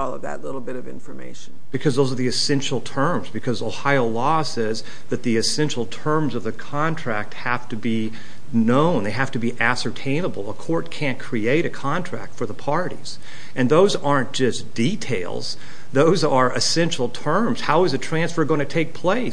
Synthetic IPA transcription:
ɔlˠʌ̰vðɨ̰tˡlɪɾl̩ˠbɪɾʌvɪ̰̃ɱfə˞mḛɪʃn̩b̥ɨkʰʌzðoʊzə˞ðiɨsɛ̃nʃl̩ˠtʰɜ̃˞mzbɨkʰʌzoʊhaɪoʊlɔsɛz | ðɨt̪̚ðiɨsɛ̃nʃl̩ˠtʰɜ̃˞mzʌvðɨkʰɑ̃ntʰɹ̥æk̚t̚hæftɨbi | nõʊ̃nðeɪɦæftɨbiʔæsə˞tʰẽɪ̃nəbl̩ˠəkʰɔɹt̚kʰæ̃nkʰɹ̥ieɪɾɨkʰɑ̃ntʰɹ̥æ̰k̚tfə˞ðəpʰɑɹɾḭz̥ | ɨ̃nðoʊzɑɹnd̥ʒ̥ʌsd̥itʰeɪlˠz̥ | ðoʊzə˞ʔɨsɛ̃nʃl̩ˠtʰɜ̃˞mz̥haʊɨzɨtʰɹ̥æ̃nsfə˞ɡoʊɪ̃tʰɨtʰeɪk̚pʰl̥eɪ

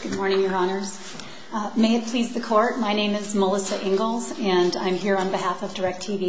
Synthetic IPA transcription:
ɡ̥ʊd̚mɔɹnɪ̃ŋjə˞ɑnə˞z̥ | meɪɨt̚pʰl̥izðɨkʰɔɹt̚maɪnẽɪ̃mɨzməlˠɪsɨʔɪ̃ŋɡl̩ˠzɨ̃nã̰ɪ̃mɦiɹə̃nbɨɦæfʌvdə˞ɛk̚tʰivi

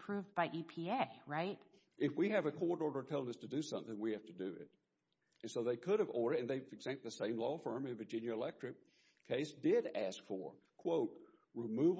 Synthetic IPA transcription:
pʰɹ̥ʉvbaɪʔipʰieɪɹaɪt̚ | ʔɨfwiɨvɨkʰɔɹɾɔɹɾə˞tʰɛlˠɪ̃ŋʌstʰɨdɨsʌ̰̃mθɪ̃ŋwihæftɨdɨɪ̰t̚ | ɨ̃nsoʊðeɪkʰʊɾɨvɔɹɾə˞ɨ̃nðeɪɨɡzæ̃k̚ðɨsẽɪ̃mlɔfɜ̃˞mɨ̃nvə˞d͡ʒɪ̃njɨəlɛk̚tɹ̥ɨk̚ | kʰeɪsd̥ɪɾæskfə̰˞kʰw̥oʊt̚ | ɹɪmʉv

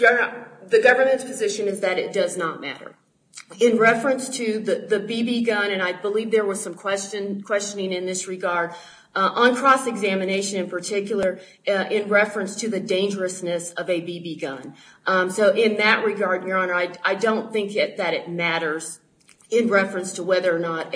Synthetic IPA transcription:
ðɨɡʌvə˞mɨ̃ntspʰɨzɪʃɨ̃nɨzðɨɾɨt̚d̥ʌznət̚mæ̰ɾə̰˞ | ɪ̃nɹɛfɹɨ̃nstʰɨðɨðɨbibiɡʌ̃nɨ̃naɪbəlivðə˞wʌz̥sʌ̃mkʰw̥ɛst͡ʃɨ̃nkʰw̥ɛst͡ʃɨnɪ̃ŋɨ̃nðɪsɹɨɡɑɹɾ | ʔə̃nkʰɹ̥ɔsɨɡzæmɨneɪʃɨ̃nɨ̃npə˞tʰɪkjl̩ˠə˞ | ʔɪ̃nɹɛfɹɨ̃nstʰɨðɨdẽɪ̃nd͡ʒə˞ɨsnɨsʌvɨbibiɡʌ̰̃n | soʊʔɪ̃nðɨʔ̚ɹɨɡɑɹd̚jə˞ɑ̃nə˞aɪaɪdõʊ̃nθɪ̃ŋkjɛt̪̚ðɨɾɨt̚mæɾə˞z̥ | ɪ̃nɹɛfɹɨ̃nstʰəwɛðə˞ːnəɾ

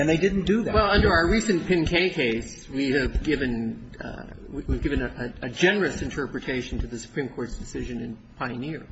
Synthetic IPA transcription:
ɨ̃nðeɪdɪdⁿn̩d̥ɨðæwɛlˠʌ̃ndə˞aʊə˞ɹisɨ̃npʰɪ̃nkʰeɪkʰeɪs | wiɨvɡɪvɨ̃n̰ | wiwivɡɪvɨ̃nɨʔɨɨd͡ʒɛnə˞ɨsɨ̃ntʰɜ˞pɹɨtʰeɪʃn̩tʰɨðɨsu̥pʰɹ̥ĩmkʰɔɹtsd̥ɨsɪʒɨ̃nɨ̃npʰaɪnɪɹ

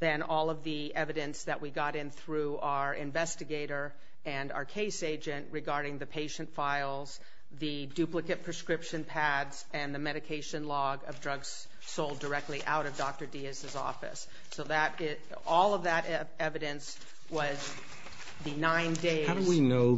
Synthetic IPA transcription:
ðɨ̃nɔlˠʌvði | ɛvɨɾɨ̃nsðɨʔwiɡɑɾɨ̃nθɹʉaə˞ʔɪ̰̃ɱvɛstɨɡeɪɾə˞ | ɨ̃na̰ə˞kʰeɪseɪd͡ʒɨ̃nʔɹɨɡɑɹɾɪ̃ŋðɨpʰeɪʃɨ̃ntfaɪlˠz̥ | ðɨ | dʉplɨkɨt̚pʰɹ̥ɨskɹɪpʃɨ̃npʰædz̥ | ɨ̃nðɨmɛɾɨkʰeɪʃɨ̃nlɔɡʌvdɹʌɡz̥ | soʊlˠdə˞ɛk̚tˡliʔa̰ʊɾʌvdɔk̚tə˞diɨsɨzɔ̰fɨ̰sː | oʊðɨɾɪ | ɔlˠʌvðɨɾ | ɛvɨɾɨ̃ns | wʌz | ðɨnãɪ̃ndeɪaʊwinoʊ

